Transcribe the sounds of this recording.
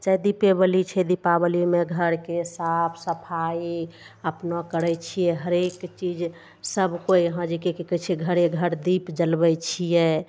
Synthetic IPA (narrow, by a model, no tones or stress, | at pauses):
t͡ʃaid̪ipeβəlit͡ʃʰɛd̪ipabəlimeɡʱəɾkesapʰsəpʰai | əpnɔkəɾɛt͡ʃʰijɛɦəɾekt͡ʃid͡ʒ | səbʱkojɦãd͡ʒikekikət͡ʃʰɛɡʱəɾeɡʱəɾd̪ipd͡ʒəlbɛt͡ʃʰijɛ